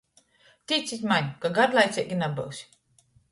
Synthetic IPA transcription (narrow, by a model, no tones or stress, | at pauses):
t̪ʲit̪sʲisʲmaɲʲkaɡaɾlˠajt̪sʲɛkʲinabɨ̰wsʲ